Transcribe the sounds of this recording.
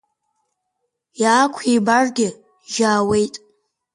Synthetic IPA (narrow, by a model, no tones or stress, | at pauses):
jaːkʷʰibarɡʲɪ | ʒaːwe̞jtʼ